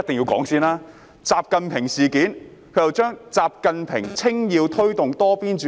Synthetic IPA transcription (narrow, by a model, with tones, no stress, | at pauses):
ɐ˥t̪̚ɪ˨ŋji˧wkɔ̰ː˨˥ŋsiː˥naː˥ | t͡saː˨˧p̚kɐ˨˧npʰɪ˨˩ŋsiː˨˩kiː˨˥n | kʰɵ˧jɐ˨˩wt͡ʃœː˥ŋt͡saː˨p̚kɐ˨˧npʰɪ˨˩ŋt͡sʰɪ˥ŋjiː˨˧wt̪ʰɵ˥ɥt̪ʊ˨ŋt̪ɔː˥piː˥nt͡ʃː